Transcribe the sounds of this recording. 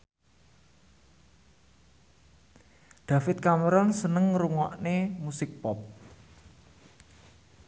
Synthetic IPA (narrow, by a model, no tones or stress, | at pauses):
d̪̥a̤fɪt̪̚kaməɾɔnsənəŋɾuŋɔʔnemusɪk̚pɔp̚